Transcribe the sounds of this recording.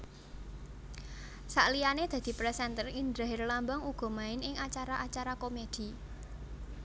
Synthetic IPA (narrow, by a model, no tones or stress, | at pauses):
sa̰ʔlijaned̪̥ä̤d̪̥i̤pɾɛsɛnt̪ərind̪ɾəɦrəlambaŋuɡ̥ɔ̤maɪnɪŋat͡ʃaɾaʔat͡ʃaɾakomed̪̥i̤